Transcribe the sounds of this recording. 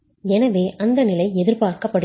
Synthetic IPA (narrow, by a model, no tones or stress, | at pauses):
ɛnɐʋeːʔɐnd̪ɐnɪlɐɪɛðɪɾpaːɾkɐpːɐɽɯ